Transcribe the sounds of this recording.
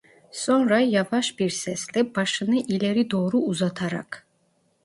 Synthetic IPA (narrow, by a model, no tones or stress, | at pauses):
sɔnɾajavaʃbiɾsɛslɛb̥aʃɯnɯʔilɛɾid̪oːɾuːzat̪ʰaɾa̰kʰ